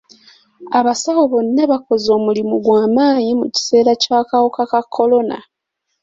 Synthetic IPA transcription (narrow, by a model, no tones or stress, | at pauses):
aβasawoβo̞nːeβako̞zo̞ːmulimuɡwaːmaːɲimuci̥se̞ːɾacaːkawokakakʰːo̞lo̞na̰